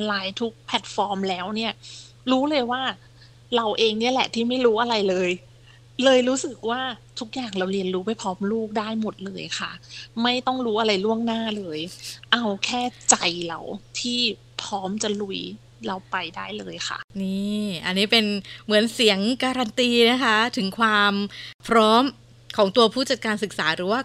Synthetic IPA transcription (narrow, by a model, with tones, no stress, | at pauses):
laː˦˥jt̪ʰu˦˥k̚pʰɛ˨˩t̪̚fɔː˧mlɛː˦˥wni˥˩ɐ | ɾuː˦˥lɤː˧jwaː˥˩ | ɾa˧wʔeː˧ŋni˥˩ɐlɛ̰˨˩t̪ʰiː˥˩ma˥˩jɾuː˦˥ʔa˧ɾa˧jlɤː˧j | lɤː˧jɾuː˦˥sɯ˨˩k̚waː˥˩t̪ʰu˦˥k̚jaː˨˩ŋɾa˧wɾi˧ənɾuː˦˥pa˨jpʰɾɔː˦˥mluː˥˩k̚daː˥˩jmo˨˩t̪̚lɤː˧jxʰa˥˩ma˥˩jt̪ɔ˥˩ŋɾuː˦˥ʔa˧ɾa˧jlu˥˩əŋnaː˥˩lɤː˧jʔa˧wkʰɛː˥˩t͡ɕa˧jɾa̰˧wt̪ʰiː˥˩ | pʰɾɔː˦˥mt͡ɕa˨˩lu˨˩j | ɾa˧wpa˧jdaː˥˩jlɤː˧jkʰa̰˥˩ʔniː˥˩ʔa˧nːiː˦˥pe˧nmɯ˩˦ənsi˩˦əŋkaː˧ɾa˧nt̪iː˧na˦˥kʰa˦˥t̪ʰɯ˩˦ŋkʰwaː˧mpʰɾɔː˦˥m | kʰɔː˩˦ŋt̪u˧ɐpʰuː˥˩t͡ɕa˨˩t̪̚kaː˧nsɯ˨˩k̚saː˩˦ɾɯː˩˦waː˥˩